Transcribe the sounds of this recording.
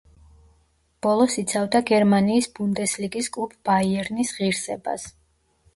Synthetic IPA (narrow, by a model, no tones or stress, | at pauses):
b̥ɔlˠɔsit̪sʰavd̪aɡɛɾmaniːsbund̪ɛsliɡiskʼlˠupʰb̥aiɛɾnisʁiɾsɛba̰s